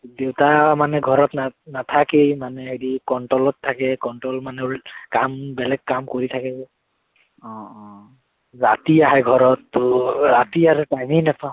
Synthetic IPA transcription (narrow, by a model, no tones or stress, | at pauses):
dewtamanɛɡʱɔɹɔtnanatʰakemanɛɦeɹikɔɳʈɔlɔtʰːakɛkɔɳʈɔlmanɛkambɛlɛɡ̚kamkoɹitʰakɛ | zatiaɦɛjɡʱɔɹɔtːɔzatiaɾɛtajminapʰa